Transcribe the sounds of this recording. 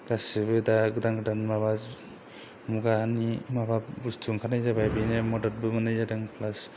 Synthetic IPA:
ɡ̥asɯbɯdaɡɯdaŋɡɯdanmabaz | muɡaːnimababustʰuŋkʰanajzabajbinemɔdɔt̚bɯɡɯnajzadaŋpʰlas

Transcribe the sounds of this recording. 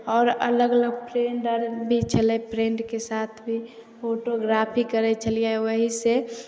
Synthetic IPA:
ɔːɾə̰ləɡələɡpɾeɳɖəɾbʱit͡ʃʰəlɛpɾẽːɳɖkesaːt̪ʰbʱi | pʰoʈoɡɾapʰikəɾɛt͡ʃʰəliewəɦise

